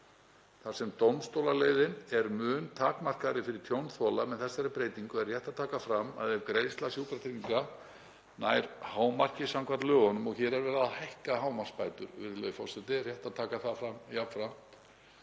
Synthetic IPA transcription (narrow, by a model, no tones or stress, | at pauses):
θasɛmt̪ownst̪owlaleːjðɪnɛɾmʏːnt̪ʰaːkmar̥kaɾɪfɪɾɪɾ̥t̪ʰjownθɔlamɛnθɛsːaɾɪpɾeːjt̪iŋkʏɛr̥jɛjht̪aðt̪ʰaːkafɾamːa̰ðɛvkɾej̪st̪lasjuːpɾat̪ɾiŋka | naːjɾhaːwmar̥cɪsamkʰvaɾt̪lœːɣanʏmɔɣçɛɾɛɾvɛːɾaðahajhkahaːwmḁspaːjt̪ʏ̰ɾvɪðlœðʏfɔrsɛt̪ɪrjɛht̪aðt̪ʰaːkaθafɾamjapfɾam̥t̪